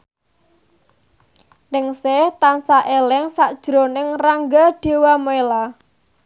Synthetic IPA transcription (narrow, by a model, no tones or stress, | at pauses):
nɪŋset̪ansaʔelɪŋsaʔd̥ʒ̥ɾo̤nɪŋraŋɡaɖ̥e̤wamoela